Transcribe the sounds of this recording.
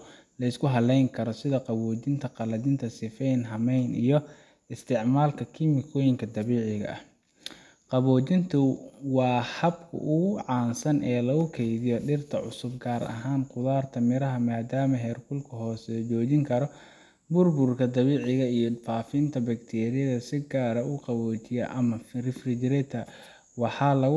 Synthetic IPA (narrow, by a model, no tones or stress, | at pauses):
lɐɪskʰʊɦɐlɛjŋkʰɐɾɔsɪðɐqɑβɔːt͡ʃɪnt̪ʰɐqɑlɐðɪnt̪ʰɐsɪfɛjnɦɐmɛjnḭjɞ | ɪst̪ʰɪʕmaːlkʰɐkʰimɪkʰɔːjɪŋkʰɐd̪ɐβiːʕɪɣɐ̰ʔɐ̰ | qɑβɔːt͡ʃɪnt̪ʰʊwɑːhɐbkʰʊ̰ʔʊʕɑːnsɐnɛːlɐɣʊkʰɛjðɪjɔɖɪrt̪ʰɐʕʊ̰sʊbɡaːɾɐ̰ɦaːnqʊðaːrt̪ʰɐmɪɾɐɦɐmaːd̪aːmɐɦɛːrkʰʊlkʰʊɦɔːsɛt͡ʃɔːt͡ʃɪŋkʰɐɾɔ | bʊrbʊrkʰɐd̪ɑβiːʕɪɣɐijɔfaːfɪnt̪ʰɐbɐkt̪ʰɛːɾɪjɐðɐsɪɡaːɾɐʊqɑβɔːt͡ʃɪjɐʔɐmɐrɪfrɪd͡ʒɾɛt̪ʰɐ | wɑħɑːlɐɣ